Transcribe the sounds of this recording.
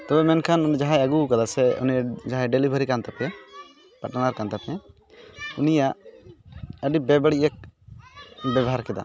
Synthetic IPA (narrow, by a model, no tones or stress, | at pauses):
t̪ɔbɛmɛnkʰanunid͡ʒaɦajəɡukad̪asɛṵnijad͡ʒaɦajɖɛlibʱəɾikant̪apɛ | paʈanaɾkant̪apɛɛ | unijaʔ | əɖibɛbəɽiʔək̚ | bɛbɔɦaɾkɛd̪a̰